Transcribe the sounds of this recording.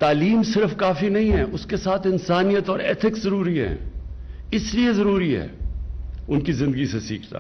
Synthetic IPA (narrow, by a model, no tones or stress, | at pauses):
t̪aːliːmsɪɾəfkaːfinɐɦĩɦɛːʔʊskesaːt̪ʰɪnsaːnijət̪ɔːɾɛ̰ːt̪ʰɪkzɐɾuːɾiɦɛ̰̃ː | ɪsliezɐɾuːɾiɦɛ̰ː | ʊnkizɪ̃nd̪əɡisesḭːkʰt̪a̰ː